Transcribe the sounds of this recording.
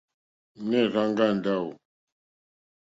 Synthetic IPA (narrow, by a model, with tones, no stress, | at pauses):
nɛ˦˨za˦ŋɡa˦˨nda˦˨w